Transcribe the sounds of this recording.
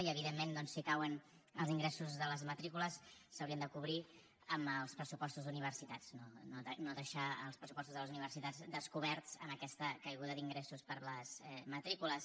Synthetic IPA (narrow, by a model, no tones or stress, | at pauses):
iəβiðemːend̪ɔnsːikawən | əlˠziŋɡɾɛsuzðələzmət̪ɾikuləsːəwɾiənd̪əkuβɾi | əməlˠspɾəsupɔst̪uzðuniβ̞ərsit̪at͡snonoənoðəʃaə̰lˠspɾəsupɔst̪uzðələzuniβ̞ərsit̪ad͡zd̪əskuβɛɾt͡səməkɛst̪əkəjɣuðəd̪iŋɡɾɛsuspəɾləzmət̪ɾikuləs